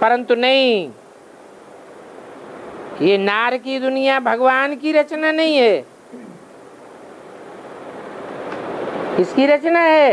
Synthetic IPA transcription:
pɐɾə̃nt̪unɐɦĩ | jenaːɾkid̪ʊnijabʱɐɡʋaːnkiɾɐt͡ʃnanɐɦĩɦɛː | kɪskiɾɐt͡ʃnaɦɛː

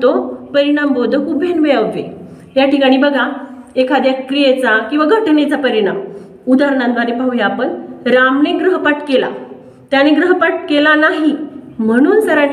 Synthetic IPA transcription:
t̪opəɾiɽ̃ambod̪ʱəkubʱenʋeaʋʋḛ | jaʈʰikaɽ̃iːbəɡʱaekʰad̪jakɾijet͡sakĩw̃ʋaɡʱəʈnet͡sapəɾiɽ̃am | ud̪aɾɳãnd̪ʋaɾepaʋjaaːpəɳɾamneɡɾəɦpaʈkela̰ | t̪janeɡɾəɦpaʈkelanaɦim̤əɽ̃uːnsəɾa

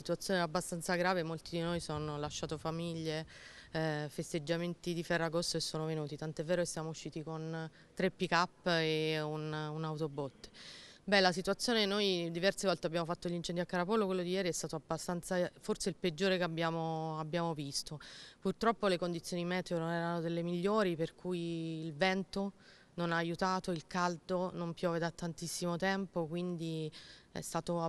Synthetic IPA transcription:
it̪uat̪sːjoːnɛabːast̪ant̪saɡɾaːvemolt̪id̪inojsonolaʃːaːt̪ofamiʎːe | fest̪ed͡ʒːament̪id̪ifɛrːaɡost̪oesːoːnovenuːt̪it̪ant̪oɛvːɛːɾokesːjaːmouʃːiːt̪ikon | t̪ɾepːikapːeununawt̪obɔt̪ːbɛlasit̪uat̪sːjoːnenojd̪ivɛrsevɔlt̪eabːjaːmofat̪ːoʎːint͡ʃɛnd̪iakːaɾapɔlːokwelːod̪ijːɛːɾiɛst̪aːt̪oabːast̪ant̪saforseilped͡ʒːoːɾekeabːjaːmoabːjaːmovist̪opurt̪ɾɔpːolekond̪it̪sːjoːnimɛːt̪eononɛːɾanod̪elːemiʎːoːɾiperkujiːlvɛnt̪o | nonaːjut̪aːt̪oilkald̪onompjɔːved̪at̪ːant̪isːimot̪ɛmpokwind̪iɛ̰st̪aːt̪o

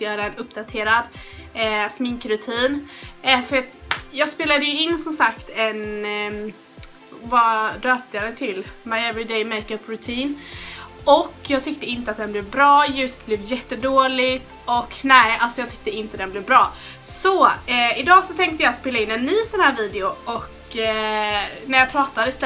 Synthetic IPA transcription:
t̪əjœːɾaɛnɵpːd̪at̪ʰeːɾad̪ | smɪŋkɾɵt̪ʰiːnɛfœɾat̪jɑːɡspeːlad̪əjɵɪnːsɔmsakt̪ɛn | vad̪øːp̚t̪ʰəjɑd̪ɛt̪ʰɪlmaɪɛvɾɪd̪eɪmeɪkəpːɾɵt̪ʰiːn | ɔkːjɑːɡ̚t̪ʰʏk̚t̪əɪnt̪əat̪̚d̪ɛnblɛːvbɾɑːjʉ̟ːsə̥t̪̚blɛːvjɛt̪ːəd̪oːlɪɡt̪ | ɔknɛɪalsɔjɑɡt̪ʰʏk̚t̪əɪnt̪əd̪ɛnblɛːvbɾɑː | sɔɛɪd̪ɑːsɔt̪ʰɛŋk̚t̪əjɑːspeːlaɪnːɛnːyːsɔnhæːɾviːd̪ɪʊɔk | næɾjɑːpʰɾɑːt̪ad̪əɪst̪ɛ

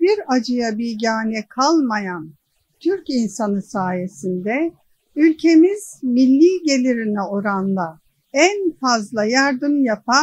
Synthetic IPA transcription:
biɾad͡ʒɯjabiɟaːnɛkʰalˠmajan | t̪ʰyɾcinsanɯsaːje̞sind̪ɛ | ylʲcʰe̞miz̥milʲːiːɟe̞lʲiɾinɛo̞ɾanlˠa | ænfazlˠajaɾd̪ɯmjapʰa

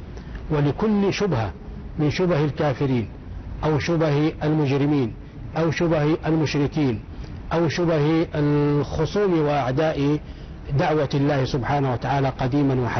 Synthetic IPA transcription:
walɪkʊlːʃʊbha̰mɪnʃʊbhalkaːfɪɾiːn | ʔawʃʊbahalmʊd͡ʒɾɪmiːn | ʔawʃʊbhʔalmʊʃɾɪkiːn | ʔawʃʊbhalxʊsˤuːmiwɪʔaʕd̪aːʔi | d̪aʕwalːaːhsʊbħaːnawat̪aʕaːlaqɑd̪iːmanwaħa

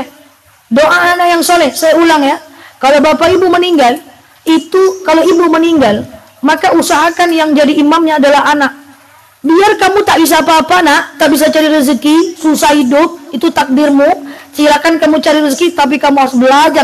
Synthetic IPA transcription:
doʔaːnakjaŋsolɛhsajaulaŋjakalobapaibuməniŋɡal | it̪ukaloibuməniŋɡal | makausaɦakanjaŋd͡ʒadiːmamɲaːdalaɦanak̚ | biarkamut̪aʔbis̬aːpaːpanaʔt̪aʔbis̬at͡ʃaɾiɾəzəkisusahhidʊp̚it̪ut̪ak̚dɪrmut͡ʃilakankamut͡ʃaɾiɾəzəkit̪ap̬ikamuasbəlad͡ʒar

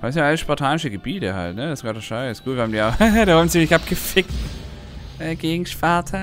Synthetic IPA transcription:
asɪnʔaləsʃpɔɐtʰaːnɪʃəɡəbiːtəha̰ltnədasɡaːdɐʃaɪssɡ̥uːtv̥ʲjːɐhamndiːaʊxdahan̩zimɪçapɡ̥əfɪkt | ʔɛːɡ̥eːɡŋ̩ʃpaɐtʰɐ

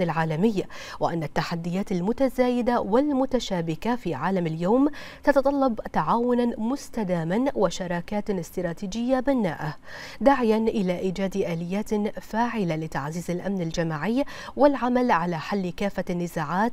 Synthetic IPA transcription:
ɪlʕaːlamɪjː | wɪ̰ʔanːat̪ːaħad̪ːɪjaːt̪almʊt̪azaːjɪd̪awɪlmʊt̪aʃaːbɪkafiːʕaːlamaljawːm | t̪ɑt̪ɑt̪ˤɑlːɑbt̪aʕaːwʊnanmʊst̪ad̪aːmanwɪʃɑɾˤɑːkaːt̪ɪst̪ɾˤɑːt̪iːd͡ʒɪjːabɪnːa̰ːʔa | d̪aʕjanʔɪlaːʔiːd͡ʒaːd̪ʔaːlɪjːaːt̪faːʕɪlalɪt̪a̰ʕziːzalʔa̰mnald͡ʒamaːʕɪjː | wɪlʕamalʕalaːħalːɪkaːfːanːɪzaːʕaːt̪

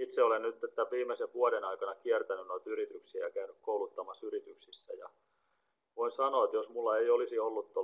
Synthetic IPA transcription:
it̪seolennyt̪ːet̪ːæʋiːmeseʋʋuodenɑikɑnɑkiɛrt̪ænynnoit̪yɾit̪yksiːjɑkæynykkoulut̪ːɑmɑsyɾit̪yksisːæ̰jɑ̰ | ʋoinsɑnoet̪josmulːɑeiolisiolːut̪t̪o

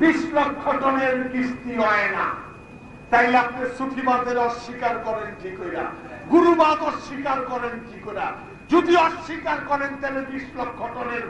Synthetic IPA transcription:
bislokʰːɔʈɔneɾist̪iɦɔena̰ | t̪ajleap̚d̪esup̪ʰibad̪ʱeɾɔʃːikaɾkɔɾenʈikojɾa̰ɡuɾubad̪ɔʃːikaɾkɔɾenʈʰikoɾa | d͡ʒod̪iɔʃːikaɾkɔɾent̪alebislɔkʰːɔʈɔneɾ

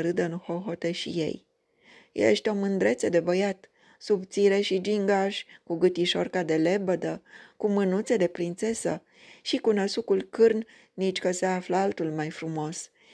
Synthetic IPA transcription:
ɾɨd̪əɨnxo̞ɦo̞t̪e̞ʃḭje̞̰j | jḛeʃt̪omɨnd̪ɾe̞t̪se̞d̪e̞bəjat̪ | subt̪siɾe̞ʃid͡ʒiŋɡaʃʲkuɡɨt̪iʃo̞̰rkad̪e̞le̞bəd̪əkumɨnut̪se̞d̪e̞pɾint̪se̞sə̰ | ʃikunəsukulkɨrn | nit͡ʃʲkəseafləalt̪ulmajfɾumo̞s

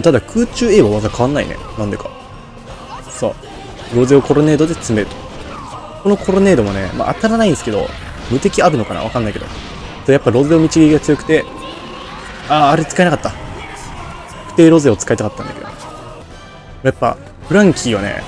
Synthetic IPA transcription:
ot̪ad̪akʰɯːt͡ɕɨːe̞ːβaβazakaβ̞anːaḭnḛnãnd̪e̞ka | so̞̰ː | ɾo̞ze̞o̞ko̞ɾo̞ne̞ːd̪o̞d̪e̞t͡sɨme̞ɾɯ̟t̪o̥ | ko̞no̞kʰo̞ɾo̞ne̞ːd̪o̞mone̞̰ma̰ʔa̰t̪aɾanaĩndesɨ̥ke̞d̪o̞̰ | mɯ̟t̪e̞kʲiaɾɯ̟no̞kana̰βa̰kãnːaike̞d̪o̰ | sojapːaɾo̞ze̞ːomʲit͡ɕiɡʲiiɡat͡sɨjo̞kɯ̟̥t̪e̞ | aːɾe̞t͡sɨkaeakat̪ːa | kɯ̥t̪e̞ːɾo̞ze̞ːot͡sɨ̥kait̪akat̪ːã̰nd̪a̰ked̪o̰ | mojapːa̰ | ɸɯ̟ɾãŋkʲiːβane̞̰

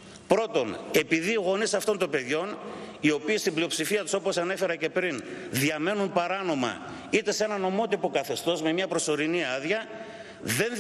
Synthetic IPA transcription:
pɾo̞t̪o̞ne̞piðiɣo̞nisɐft̪o̞nt̪o̞be̞ðʝo̞nio̞piːst̪imblio̞psifiɐt̪u̥so̞po̞sɐne̞fe̞ɾɐce̞pɾinðiɐme̞nunpɐɾɐno̞mɐ̰ | it̪e̞se̞nɐno̞mo̞t̪ipo̞kɐθe̞st̪o̞zme̞mɲɐpɾo̞so̞ɾiniɐðʝɐ | ðe̞n

